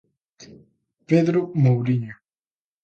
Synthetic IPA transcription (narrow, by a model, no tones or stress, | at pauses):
peðɾomowɾiɲo